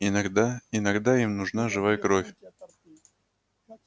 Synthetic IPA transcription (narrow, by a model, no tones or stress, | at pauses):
ɪnɐɡd̪aɪnɐɡd̪aimnʊʐnaʐɨvajəkɾofʲ